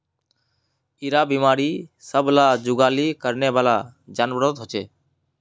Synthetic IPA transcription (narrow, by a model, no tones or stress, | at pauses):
iɾaːbiːmaːɾiːsəblaːd͡ʒʊɡaːliːkəɾneːʋaːlaːd͡ʒaːnbɾoːt̪ɦot͡ʃeː